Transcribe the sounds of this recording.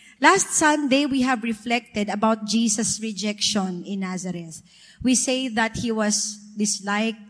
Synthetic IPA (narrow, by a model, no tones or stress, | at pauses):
last̪̚sʌ̃md̪ewiɦævɹɪflɛk̚t̪ɛd̪ɐbawt̪̚d͡ʒiːsɐsɹɪd͡ʒɛkʃɔ̃nɪ̃nːazɐɾɛs | wiseɪðɐt̪̚hiwʌsd̪ɪslaɪk̚